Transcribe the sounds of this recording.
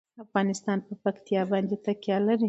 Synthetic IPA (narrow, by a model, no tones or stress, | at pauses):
afɣɑnɪst̪ɑnpəpakt̪ijɑbɑnd̪et̪akjɑlaɾi